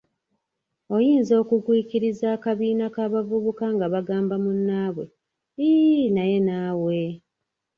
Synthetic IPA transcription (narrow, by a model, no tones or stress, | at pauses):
o̞jiːnzo̞ːkuɡwiːciɾizaːkaβiːnakaːβavuβukaŋɡaβaɡaːmbamunːaːβwe̞̰ | inaje̞naːwe